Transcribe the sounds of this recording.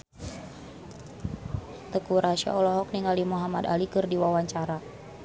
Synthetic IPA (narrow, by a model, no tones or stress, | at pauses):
t̪əkuɾaʃa̰ɔlɔɦɔk̚niŋɡalimuɦamada̰likɨrdiwawaɲt͡ʃaɾa